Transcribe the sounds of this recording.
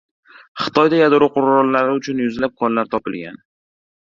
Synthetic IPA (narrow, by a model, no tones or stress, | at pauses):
χɨ̥t̪ʰɒjd̪ajad̪ɾʊqʰʊɾːɒlːaɾɪʊt͡ʃʰʊnjʊzlap̚kʰɒnlaɾt̪ʰɒpɪlɡʲa̰n